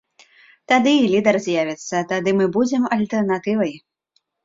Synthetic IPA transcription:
t̪ad̪ɨːlʲid̪ɐrzʲjavʲɛt̪sːɐt̪ad̪ɨmɨbud͡zʲɛmɐlʲt̪ɛrnat̪ɨvɐj

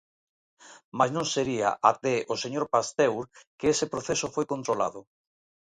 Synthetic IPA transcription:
maznõŋseɾia̰ʔat̪ɛʔoseɲoɾpast̪ɛwɾkeesepɾoθesʊfojkont̪ɾola̰ðʊ

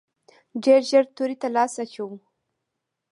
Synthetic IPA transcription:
ɖeɾʒəɾt̪oɾit̪alɑsat͡ʃawu

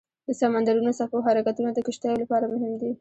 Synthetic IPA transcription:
d̪əsamand̪aɾunosapoɦaɾakat̪unad̪əkaʃt̪ɑjolapɑɾamʊɦɪmd̪i

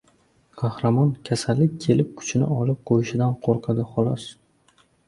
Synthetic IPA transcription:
qʰɑhɾamɒnkʲʰasalːɪkʲːʰe̞lɪp̚kʰʊ̥t͡ʃʰɪnɪ̰ɒlɪp̚qʰojɪʃɪd̪anqʰoɾqʰɑd̪ɪχɒlˠɒs

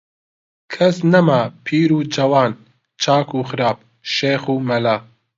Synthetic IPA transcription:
kʰɐsnɐmaːpʰiːɾuːd͡ʒɐwaːn | t͡ʃʰaːkuːxɨɾaːp̚ | ʃeːxuːmɐlaː

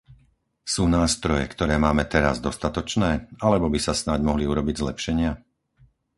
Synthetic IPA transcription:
suːnaːst̪ɾɔjɛ̰kt̪ɔɾɛːmaːmɛt̪ɛɾa̰zd̪ɔst̪at̪ɔt͡ʃnɛːalɛbɔbisasnaɟmɔɦliuɾɔbiɟzlɛpʃɛɲɪa

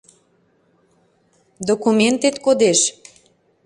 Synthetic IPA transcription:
d̪okument̪et̪kod̪eʃ

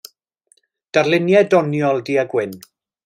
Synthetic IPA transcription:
d̥arlˠɪnjɛdɔnjɔlˠdiːəɡwɪn

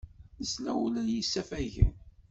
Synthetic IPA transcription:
nəslæulæjisːæfæjʝə̰n

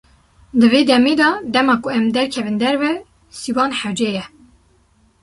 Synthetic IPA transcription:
d̪ɨveːd̪ɛmeːd̪ɑːd̪ɛmɑːkʊɛmd̪ɛɾkʰɛvɨnd̪ɛɾvɛ | siwɑːnħɛwd͡ʒɛjɛ

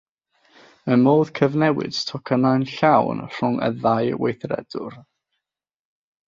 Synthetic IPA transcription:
əmoːð̥kʰəvnɛwɪ̰d̥tʰɔkʰənajnɬawnr̥ʊŋə̰ðajwḛjθrɛ̰d̥ʊ̰r

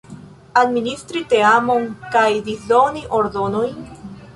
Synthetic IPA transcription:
ad̪minist̪ɾit̪eamonkajd̪izoniʔoɾd̪onojn

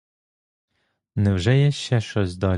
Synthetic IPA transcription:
nɛwʒɛjɛʃt͡ʃɛʃt͡ʃɔzʲd̪ɔ

